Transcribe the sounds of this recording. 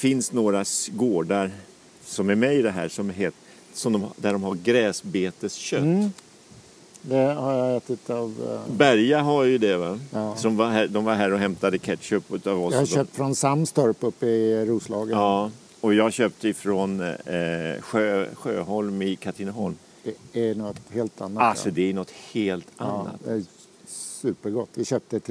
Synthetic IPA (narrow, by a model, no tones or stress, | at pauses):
fɪnsnoːɾaɡoːɖaɾ | sɔmæɾmɛɪd̪ɛɦæ̰ːʂɔmɦeːt̪ | sɔmd̪ɔmd̪æɖɔmhaɾɡɾɛːsbeːt̪əsɕœt̪ː | d̪ɛhaɾjaɛt̪ɪt̪ɑvbæɾjaɦaɾjɵd̪ɛvasɔmvaɦæd̪ɔmvaɾɦæːɾɔɦɛmt̪ad̪əkʰɛt̪ːɕøːpɵt̪avɔhaœp̚t̪fɾɔnsamːst̪ɔɾpɵpːəɾuːslɑːɡəɑː | ɔjɑːɕøːp̚t̪əɪfɾɔn | ɧøːɧøːɦɔlmɪkʰat̪ʰɪnɦɔlm | d̪̥ɛænɔt̪heːlt̪anːaasɔd̪ɛæjnɔt̪ːheːlt̪ʰaːa̰t̪ɛ | sʉ̟ːpəɾɡɔt̪ːvɪɕøːp̚t̪ət̪